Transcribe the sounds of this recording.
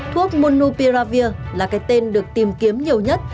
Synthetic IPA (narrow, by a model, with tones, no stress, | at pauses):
t̪ʰu˦˥ək̚mo˧nːu˧pi˧ɾaː˧vi˧əlaː˨˩kaː˨˦jt̪e˧nɗɨ˨˩ək̚t̪i˨˩mki˨˦əmɲi˨˩əwɲə˦˥t̚